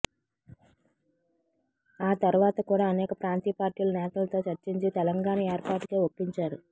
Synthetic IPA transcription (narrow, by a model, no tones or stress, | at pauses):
aːt̪ɐɾuʋaːt̪ɐkuːɽaːɐnɛːkɐpɾaːnt̪iːpaːɾʈiːlɐnɛːt̪ɐlɐt̪o̞ːt͡ʃɐɾt͡ʃiɲt͡ʃit̪ɛlɐŋɡaːnɐeːɾpaːʈkeːopːiɲt͡ʃaːɾu